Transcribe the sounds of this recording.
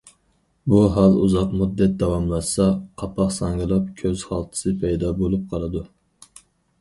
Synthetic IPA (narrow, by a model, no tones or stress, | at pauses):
buɦɑlˠuzɑqmud̪ːɛt̪̚d̪ɑwɑmlˠɑsɛqʰɑpʰɑχsɑŋʁɨlˠɑp̚kʲʰøz̥hɑlˠt̪ʰɨ̥sɨpʰɛjd̪ɑbolˠup̚qʰɑlˠɨd̪u